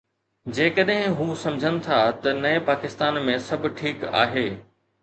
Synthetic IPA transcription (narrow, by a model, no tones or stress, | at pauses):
d͡ʑeːkəɗɦɪ̃ɦuːsɐ̃md͡ʑʱənɪ̆t̪ʰat̪ɐnɐẽpaːkɪst̪aːnmẽsɐbʱɪ̆ʈʰiːka̰ːɦeː